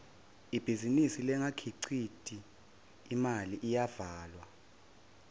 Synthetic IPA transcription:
ib̥ʱizinisilɛŋakʰiǀʰitʼiː | maliʔijavaːlwa

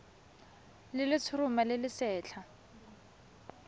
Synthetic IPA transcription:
lɪlɪt͡sʰʊrʊmalɪlɪsɛːt͡ɬʰa

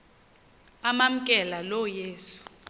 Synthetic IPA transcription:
amam̩kʼɛlalɔjeːsu̥

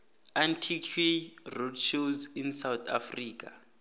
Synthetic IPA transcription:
antʰikʰwerodʃuzinsawt̪ʰa̰friːk̬ʼa

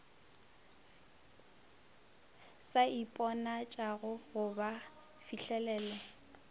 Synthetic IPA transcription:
saipʼɔnat͡ʃʼaɣʊɣʊba | fiɬɛlɛːlɛ

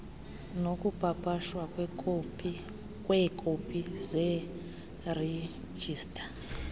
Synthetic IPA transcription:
nokupapaʃwakw | kʼwekʰʼopʼize | re | d͡ʒiːstʼḁ

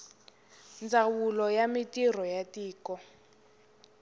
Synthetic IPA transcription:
nd͡zʱawulɔjamitir̤ɔjatiːkɔ

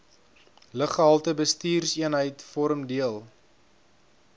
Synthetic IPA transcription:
ləχəɦɐlˠtəbəstiːrsiənɦəjtfɔɾəmdiəlˠ

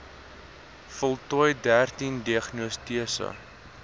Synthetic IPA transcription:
fɔlˠtɔjdærtindiəχnustiəsə̰

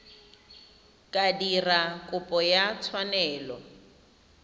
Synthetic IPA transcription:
kʼadirakʼʊpʼɔjat͡sʰwanɛːlɔ

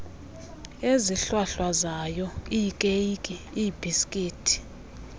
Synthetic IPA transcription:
eziɬwaɬwazajɔiːkʼejkʼi | iːbiskʼiːtʰi̥

